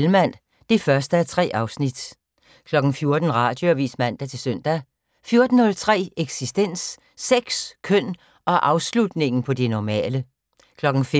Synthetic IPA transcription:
lmæn̰ | d̥e̝fɶɐsd̥əæɐt͡sʰʁɛ̰ːʔɑ̈ʊsnid̥ | kʰlɒ̽ɡ̥n̩fjo̝ɐd̥n̩ʁɑ̰̈ːd̥joæʋḭːsmæn̰d̥æt͡sʰe̝lsøn̰d̥æ | fjo̝ɐd̥n̩nɔ̽lt͡sʰʁɛ̰ːeɡ̥sisd̥en̰sː | eɡ̥skʰœn̰ | ʔɒ̽ʔɑ̈ʊslud̥ne̝ŋn̩pʰɒ̽d̥enɒmɛ̰ːlə | kʰlɒ̽ɡ̥n̩fe

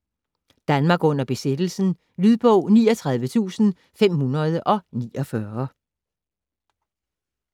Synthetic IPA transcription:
d̥ænmɑ̈ːɡ̥ɔ̽n̰ɐb̥e̝sed̥l̩sn̩ | lyð̞ˠb̥ɔʊ̰niːɒt͡sʰʁɑ̈ð̞ˠʋət͡sʰṵːsn̩ | fem̰hunɐð̞ˠəʔɒ̽niːɒ̽fɶɐ

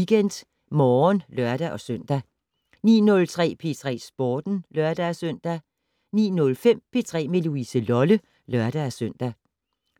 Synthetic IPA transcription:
iɡ̥en̰d̥ | mɒːnlɶɐ̰d̥æʔɒ̽søn̰d̥æ | nḭːnɔ̽lt͡sʰʁɛ̰ːpʰe̝ːt͡sʰʁɛ̰ːsb̥ɒːd̥n̩lɶɐd̥æsøn̰d̥æ | nḭːnɔ̽lfem̰pʰe̝ːt͡sʰʁɛ̰ːmeluisəlɒ̽lə | lɶɐd̥ææsøn̰d̥æ

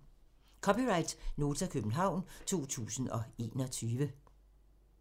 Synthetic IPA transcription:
kʰɒ̽piʁɑ̈ɪd̥no̝ːt͡sʰækʰøb̥n̩ɦɑ̈ʊ̰nt͡sʰo̝̰ːt͡sʰṵːsn̩ɒ̽e̝̰ːnɒ̽t͡sʰyːʋə

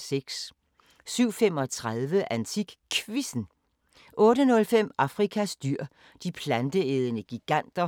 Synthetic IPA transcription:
seɡ̥s | syʊ̰fem̰ɒ̽t͡sʰʁaðˠʋəʔænt͡sʰiɡ̥kʰʋisn̩ | ʔɔ̽ːɾənɔ̽lfem̰ɑ̈fʁikʰæsd̥yɐ̰ | d̥ipʰlænd̥əeð̞ˠənəɡ̥iɡ̥æn̰d̥ɐ

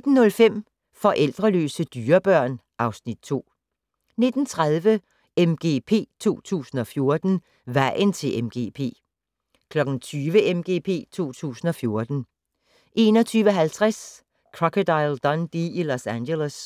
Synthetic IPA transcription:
ed̥n̩ːɔ̽lfem̰ | fɒ̽ʔel̰d̥ʁɐlø̰ːsəd̥yːɐb̥ɶɐ̰n | ʔɑ̈ʊsnid̥̚t͡sʰo̝̰ː | ne̝d̥n̩t͡sʰʁað̞ˠʋə | emɡ̥e̝̰pʰe̝̰ːt͡sʰuo̝̰ːt͡sʰṵːsn̩ɒ̽fjo̝ɐd̥n̩ | ʋæɪ̰nt͡sʰe̝lʔemɡ̥e̝̰ːpʰe̝̰ː | kʰlɒ̽ɡ̥n̩t͡sʰyːʋəʔemɡ̥e̝̰ːpʰe̝̰ːt͡sʰo̝̰ːt͡sʰṵːsn̩ɒ̽fjo̝ɐd̥n̩ | ʔe̝ːnɒ̽t͡sʰyːʋəɦælt͡sʰʁas | kʰʁɒkʰod̥ɑɪld̥ɒ̽nd̥iilosænɡelos

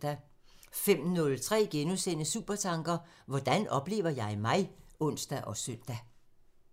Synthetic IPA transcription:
d̥æ | fem̰nɔ̽lt͡sʰʁɛ̰ːɡ̥enusenəsuːb̥ɐt͡sʰɑ̈ŋɡ̥ɐ | ʋɒd̥ænɒ̽b̥le̝̰ːʊɐjɑ̈ɪmɑ̈ɪɔ̽n̰sd̥æʔɒ̽sœn̰d̥æ

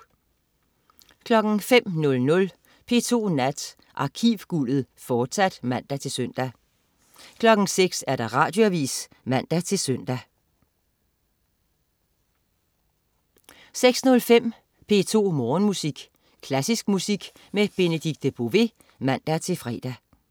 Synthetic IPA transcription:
kʰlɒ̽ɡ̥ŋ̩fem̰nɔ̽lnɔ̽l | pʰe̝̰ːt͡sʰo̝̰ːnæd̥ | ʔɑ̈kʰiːʋɡ̥ulð̩ˠ | fɒːd̥sæd̥mæn̰d̥æt͡sʰe̝lsøn̰d̥æ | kʰlɒ̽ɡ̥n̩seɡ̥sæɐd̥ɑ̈ʁɑ̈ːd̥jo̝æʋḭːs | mæn̰d̥æt͡sʰe̝lsœn̰d̥æ | seɡ̥snɔ̽lfem̰ | pʰe̝ːt͡sʰo̝̰ːmɒːnmusiɡ̥ | kʰlæsisɡ̥̚musiɡ̥ | meb̥e̝nəd̥iɡ̥̚d̥b̥o̝ʋe̝ | mæn̰d̥æt͡sʰe̝fʁɛːd̥æ

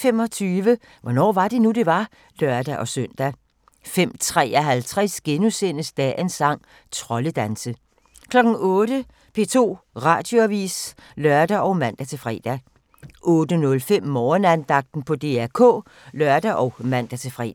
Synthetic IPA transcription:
femɒ̽t͡sʰyːʋə | ʋɒnɒ̰ːʋɑ̈d̥e̝nud̥e̝ʋɑ̈ | lɶɐd̥æʔɒ̽søn̰d̥æ | fem̰t͡sʰʁɛ̰ːɒɦælt͡sʰʁɛsɡ̥enusenəsd̥ɛ̰ensɑ̈ŋ̰ | t͡sʰʁɒ̽ləd̥ænsə | kʰlɒ̽ɡ̥n̩ɔːɾ̥ə | pʰe̝̰ːt͡sʰo̝̰ː | ʁɑ̰̈ːd̥jo̝æʋḭːslɶɐd̥æʔɒ̽ʊmæn̰d̥æt͡sʰe̝lfʁɛ̰ːd̥æ | ʔɔ̽ːd̥ənɔ̽lfem̰mɒːnænd̥ɑ̈ɡ̥̚d̥n̩pʰɒ̽d̥e̝̰æɐkʰɔ̰̽ː | lɶɐd̥æʔɒʊmæn̰d̥æt͡sʰe̝fʁɛ̰

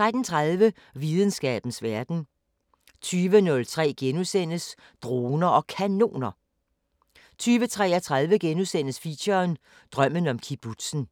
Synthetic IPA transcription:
t͡sʁad̥n̩t͡sʰʁaðˠʋə | ʋiðˠn̩sɡ̥ɛ̰ːb̥n̩sʋæɐd̥n̩ | t͡sʰyːʋənɔ̽lt͡sʰʁɛ̰ːɡ̥enusen̰əs | d̥ʁo̝ːnɐʔɒ̽kʰæno̝̰ːnɐ | t͡sʰyːʋət͡sʰʁɛːɐt͡sʰʁäðˠʋəɡ̥enusen̰əsfiɕɐn | d̥ʁɶm̰ənɒ̽mkʰib̥ud̥sn̩

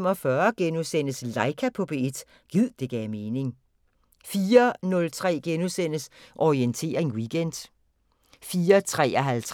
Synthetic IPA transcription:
m̰ɒfɶɐɡ̥enusen̰əslɑ̈ɪkʰæpʰɒ̽b̥e̝e̝d̥ | ɡ̥ið̰ˠd̥e̝ɡ̥ɛːme̝ːne̝ŋ | fiːɐnɔ̽lt͡sʰʁɛ̰ːɡ̥enusen̰əsʔɒient͡sʰe̝̰ːɐʁeŋwiɡ̥end̥ | fiːɐt͡sʰʁɛ̰ːɒɦælt͡sʰ

